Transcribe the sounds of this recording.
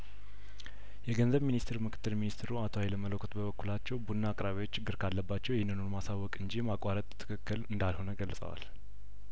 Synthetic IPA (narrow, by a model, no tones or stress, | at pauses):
jɛɡənzəβminist̪ʰɾmɨkʰɨ̥t̪ːɨlminist̪ɾuat̪ʰoajɛləmələkʰːot̪bəβəkːulat͡ʃːɛwbunːaːkʼɾaβiwot͡ʃːt͡ʃːɪɡːɨɾkʰalːəbːat͡ʃːɛwjɛnɨnoɾmasawːɔkʼɨɲd͡ʒimakʼwaɾət̪ʼt̪ʰːɨ̥kʰɨkːɨlɨnd̪alho̞nəɡəlːəsʼə̰wa̰l